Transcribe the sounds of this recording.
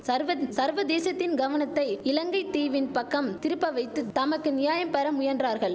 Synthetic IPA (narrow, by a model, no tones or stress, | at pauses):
sɐɾʋɐsɐɾʋɐd̪eːsɐt̪ːɪnɡɐʋɐnɐt̪ːɐɪɪlɐŋɡɐɪt̪ːiːʋɪnpɐkːɐmt̪ɪɾɯpːɐʋɐɪt̪ːɯt̪ɐmɐkːɯnɪjaːjɐmpɐɾɐmʊjɐndraːɾɣɐɭ